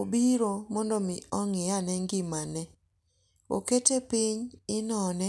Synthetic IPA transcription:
obiɾomɔndɔmɪɔŋɪjanɛŋɡɪmanɛ | o̰ketepɪɲɪnɔnɛ

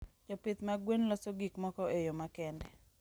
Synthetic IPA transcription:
d͡ʒɔpɪt̪maɡwenlɔsoɡikmɔkɔejomakɛndɛ

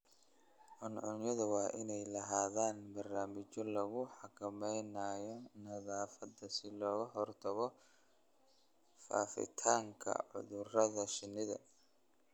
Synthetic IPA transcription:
ʕʊnʕʊnjɐðʊwɑːʔɪnɛjlɐɦaːðaːnbɐrnaːmɪt͡ʃɔlɐɣʊħɑkʰɐmɛjnaːjɔnɐðaːfɐd̪ɐsɪlɔːɣɐɦɔrt̪ʰɐɣɔ | fa̰ːfɪ̰t̪ʰaːŋkʰɐ̰ʕʊ̰ðʊrɐðɐʃɪnːɪðɐ̰

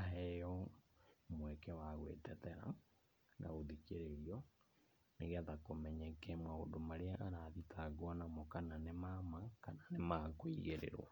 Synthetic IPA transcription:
aɦɛjɔ | mwɛkɛwaɣwḛtɛtɛɾa̰ | nʔa̰ɣoðikeɾeɾiɔ | neɣaðakomɛɲɛkɛmaondomaɾeaʔaɾaðitʰaɡwanamɔkananemamakananemakoiɣeɾḛɾwa̰

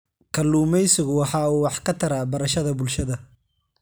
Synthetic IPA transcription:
kʰɐluːmɛjsɪɣʊwɑħɑːuːwɑħkʰɐt̪ʰɐɾaːbɐɾɐʃɐðɐbʊlʃɐðɐ

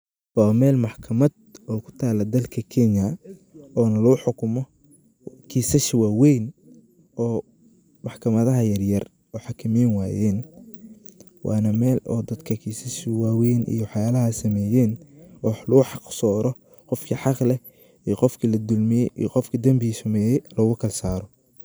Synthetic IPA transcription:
waːmɛːlmɑħkʰɐmɐd̪ɔːkʰʊ̥t̪ʰaːlɐd̪ɐlkʰɐkʰɛnjɐ | ɔːnɐlʊʊħʊkʰʊmɔ | kʰiːsɐʃwaːwɛjn | ɔː | mɑħkʰɐmɐðɐɦɐjɐrjɐr | ɔːħɑkʰɐmɛjnwaːjɛːn | wʔɑ̰ːnɐmɛːlɔ̰ːd̪ɐd̪kʰɐkʰiːsɐʃwaːwɛjnʔḭjɔwħjaːlɐɦɐsɐmɛːjɛːnːħlʊʊħɑqsɔːɾɔ | qɔfkʰiħɑqlɛ | iːqɔfkʰilɐd̪ʊlmɪjɛjʔijqɔfkʰid̪ɐmbɪisɐmɛːjɛlɔːɣʊkʰɐlsaːɾɔ

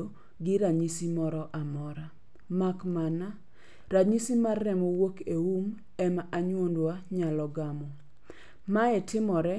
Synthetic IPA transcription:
o | ɡɪɾaɲisimɔɾɔʔamɔɾa | makmana | ɾaɲisimarːɛmowokeum | ɛmaʔaɲwondwaɲalɔɡamɔ | maɛtɪmɔɾɛ

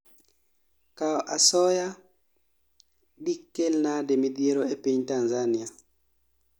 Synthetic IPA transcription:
kaɔʔasɔja | ɗikːelnademid̪ieɾoepiɲtanzania

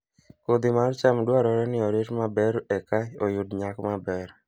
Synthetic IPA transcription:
kod̪ɪmart͡ʃamdwaɾɔɾɛnɪɔɾetmabɛɾɛkaojʊdɲakmabɛɾ

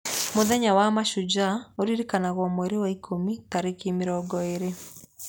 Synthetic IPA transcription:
moðɛɲawamaʃud͡ʑaoɾiɾikanaɣwɔmwɛɾewaikʰomitaɾekimeɾɔɡɔeɾe

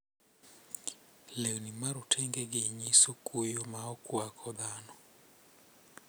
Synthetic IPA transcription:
lewnimaɾʊtʰɛŋɡeɡeɲisokujomaɔkwakʰɔd̪anɔ

